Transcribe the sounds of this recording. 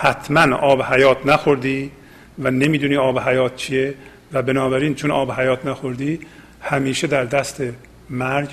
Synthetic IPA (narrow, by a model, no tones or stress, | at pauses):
hæt̪ʰmænʔɒːbehæjɒːt̪ʰnæxoɾd̪iː | væne̞miːd̪uːniːɒːbeɦæjɒːt̪̚t͡ʃʰie | væbenɒːbæɾiːnt͡ʃʰonɒ̰ːbɦæjɒːt̪ʰnæxoɾd̪iː | hæmiːʃed̪æɾd̪æst̪ʰe̞ | mæɾɟ